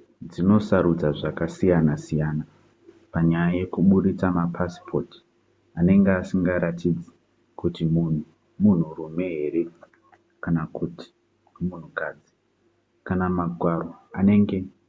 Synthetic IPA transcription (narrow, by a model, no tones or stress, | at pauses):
d͡zino̞saɾud͡zaʐakasijanasijaːna | paɲajaje̞kuɓuɗit͡samapʰaspʰo̞ti̥ | ane̞ŋɡeasiŋɡaɾatʰid͡zi | kutimun̤u | mun̤urume̞ɦe̞ɾe̞ | kanakuti̥ | mun̤ukad͡zi | kanamaɡʱwaroane̞ŋɡe̞